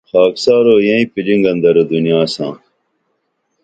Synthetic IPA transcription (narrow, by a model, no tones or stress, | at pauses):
xaːksaːɾoːjɐ̃ĩpilĩŋɡɐnd̪ɐɾod̪unjaːsã̰ː